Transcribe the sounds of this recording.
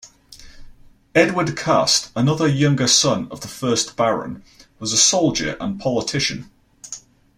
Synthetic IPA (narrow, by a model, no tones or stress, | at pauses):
ɛdwədkʰɑ̰ˑstənʌðəjʌ̃ŋɡəsʌ̃nə̰vðəfɜˑsb̥aɹə̰̃n | wɒzəsoʊlˠd͡ʒə̰ɹʔə̰̃npʰɒlɪtʰɪʃə̰̃n